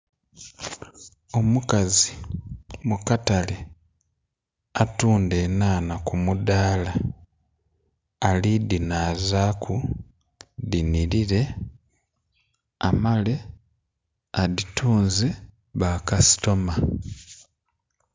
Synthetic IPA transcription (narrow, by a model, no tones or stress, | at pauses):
o̞mukazi | mukatale | atuːndenaːnakumudaːla | lidinaːzaːkʰu | diniɾiɾe̞ | a̰male̞ | aditʰuːnze | βaːkasi̥to̞ma